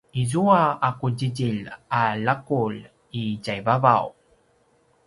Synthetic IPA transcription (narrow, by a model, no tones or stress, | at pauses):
izuaakuɟiɟiʎalakul | iɟajvava̰w